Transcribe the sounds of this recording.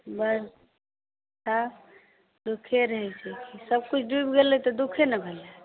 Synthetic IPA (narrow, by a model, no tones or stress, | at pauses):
bəɾ | t͡ʃʰa | d̪ukʰeɾəɦɛt͡ʃʰɛkʰisəb̚kut͡ʃʰɖubɡelet̪ɔd̪ukʰenəbʱele